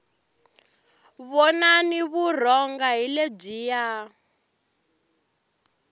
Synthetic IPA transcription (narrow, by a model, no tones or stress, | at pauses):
βɔnaniβur̤ɔŋɡaɦileb͡ʐiːja